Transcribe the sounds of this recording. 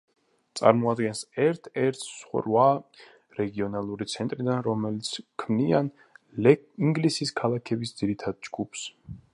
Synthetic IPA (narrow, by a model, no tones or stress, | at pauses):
t̪sʼa̰ɾmɔad̪ɡɛnsɛɾt̪ʰɛɾt̪ʰsχɾwa | ɾɛɡiɔnalˠuɾit̪sʰɛnt̪ʼɾid̪anɾɔmɛlit̪sʰkʰmnian | liŋɡlisiskʰalˠakʰɛbisd̪z̥iɾit̪ʰad̪̥̚d͡ʒɡupʰs